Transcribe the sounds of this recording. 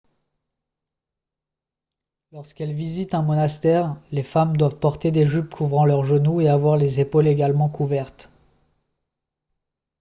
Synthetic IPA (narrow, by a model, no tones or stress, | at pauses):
lɔʁskɛlvizit̪ɛ̃mɔnast̪ɛʁlefamd̪wavpɔʁt̪ed̪eʒypkʰuvʁɑ̃lœʁʒənueavwaʁlezepoleɡʲalmɑ̃kʰuvɛʁt̪